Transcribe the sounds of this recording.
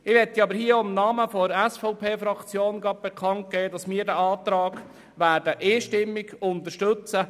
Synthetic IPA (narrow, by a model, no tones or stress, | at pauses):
ɪʋɛtːiɑbəɾhiːəoɪmnɑːməfɔɾɛsfɔʊpʰeːfɾɑkt͡sjoːnɡɑt̚b̥ɛkʰɑnt̚keːdɑsmɪːɾdæɑːt̪ɾɑːɡ̥ | ʋæːɾd̥əʔɪʃtɪmːɪɡʊnt̪əɾʃtɵt͡sə